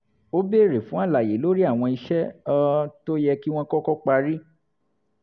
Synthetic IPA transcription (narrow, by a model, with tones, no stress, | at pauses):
o˦be˦˨ɾe˨fũ˨˦a˦˨la˨je˨˦lo˦ɾi˦a˦˨w̃ɔ̃˧i˧ʃɛ˦ɔ˧to˦jɛ˧ki˦w̃ɔ̃˦kɔ˦kɔ˦k͡pa˧ɾi˦